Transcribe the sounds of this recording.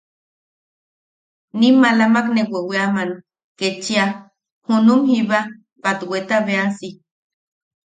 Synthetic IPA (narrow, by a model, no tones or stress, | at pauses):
nimalamakneweweaman | ket͡ʃia | hunumhiβa | pat̪wet̪aβeasi